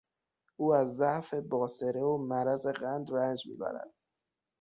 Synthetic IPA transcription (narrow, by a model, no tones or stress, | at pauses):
uːæzːæfe̞bɒːseɾeomæɾæze̞ɣænd̪rænd͡ʒmḭːbæ̰ɾæ̰d̪̥̚